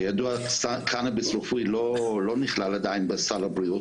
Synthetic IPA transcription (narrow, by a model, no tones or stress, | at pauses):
jad̪uasakʰanabesʁufiloloniχlalad̪ainbesalbɾijut̪